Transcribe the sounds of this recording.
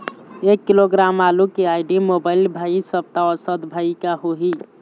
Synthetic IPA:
ekːiloɡɾamalukeaiɖimobaɪlbʱaisəb̚t̪aɔsəd̪bʱaikaɦoɦi

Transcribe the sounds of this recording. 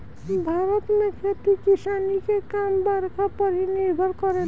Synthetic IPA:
bʱaɾʌt̪makʰet̪ikisanikekambaɾkapʌɾiniɾɡʱʌɾkʌɾe

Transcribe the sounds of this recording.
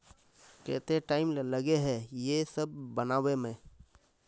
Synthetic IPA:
kɛ̰ːt̪eʈaːɪmlləɡeɦɛjesəb̚ːənaːʋemẽː

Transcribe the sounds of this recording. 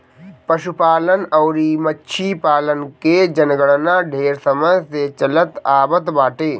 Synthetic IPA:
pɐʃupaːlənɔːɾimətːʃʰipaːlənked͡ʒənɡəɽnãɖʱeːɾsəməjset͡ʃɐlət̪aːbət̪baːʈeː

